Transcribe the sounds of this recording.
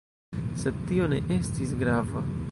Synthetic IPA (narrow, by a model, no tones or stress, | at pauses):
se̞d̪̚tio̞ne̞ʔe̞stisɡɾava